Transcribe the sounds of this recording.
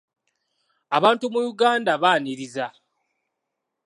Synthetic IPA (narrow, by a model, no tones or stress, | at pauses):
aβaːntumujuɡaːndaβaːniɾiza